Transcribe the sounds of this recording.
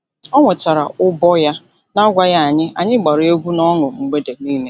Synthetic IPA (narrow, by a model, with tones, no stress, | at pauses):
ɔ˦ŋʷe˨t͡ʃa˨ɾa˨ʊ˦bɔ˦ja˦ | na˦ɡʷa˦ja˦a˨ɲɪ˦a̰˨ɲɪ˦ɡ͡ba˨ɾe˦ɡʷu˦nɔ˦ŋʊ˨ŋ͡m̩˨ɡ͡be˦de˨niː˦me˦